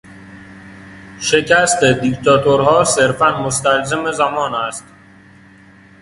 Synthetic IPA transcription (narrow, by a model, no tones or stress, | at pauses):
ʃe̞cʰæst̪ed̪ikt̪ɒːt̪ʰoɾɦɒːseɾfænmost̪ælzemezæmɒːnæst̪